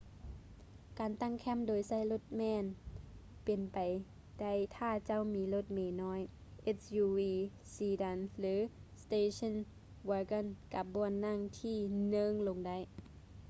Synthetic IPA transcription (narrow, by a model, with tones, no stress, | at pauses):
kaː˨nt̪a˧˥˨ŋkʰɛ˧˥˨mdoː˨jsa˧˩˨jlo˧˩t̪̚mɛː˧˥˨n | pe˨˩npa˨j | da˥˩˨jt̪ʰaː˧˥˩t͡ɕa˧˥˨wmiː˨˦lo˧˥˩t̪̚meː˨˩nɔː˧˥˨jʔe˧˥t̪̚juː˧wiː˧ | siː˧˩da˧˨nlɯː˨˦st̪eː˧˩sʰɔ˧˥˨n | waː˧ka˧˥˨nka˧˦p̚bɔː˧˩nːa˧˥˨ŋt̪ʰiː˧˥˩nɤ˧˥˨ŋlo˨ŋda˧˩˨j